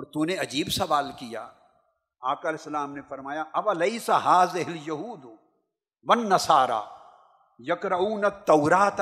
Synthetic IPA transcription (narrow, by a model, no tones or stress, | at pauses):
ɔːɾt̪uneɐd͡ʒiːbsɐʋaːlkija̰ː | aːkaɐlɛsːɐlaːmnefɐɾmaːjaʔɐwɐlɐjsaɦaːzɪɦɪljɐɦuːd̪ | wɐnːɐsaːɾa̰ː | jɐkɾauːnɐt̪ːɐwɾaːt̪